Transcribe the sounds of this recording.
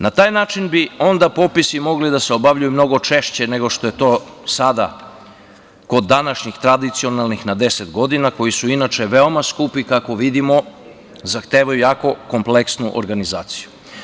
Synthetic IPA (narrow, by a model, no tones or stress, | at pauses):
nat̪aːjnaːt͡ʃinbio̞nd̪apo̞pisimo̞ɡlid̪aseobaʋʎujumno̞ɡo̞t͡ʃeʃt͡ɕe̞ne̞ɡo̞ʂt̪o̞je̞t̪o̞ːsad̪a̰ | ko̞d̪ːanaʃɲixt̪ɾad̪it̪sio̞nalˠnixnad̪e̞set̪ɡo̞d̪inako̞jisuinat͡ʃe̞ʋeo̞maskupikako̞ʋid̪imo̞ | zaxt̪eːʋajujaːko̞ko̞mple̞ksnuʔo̰ɾɡaniza̰ːt̪si̥ju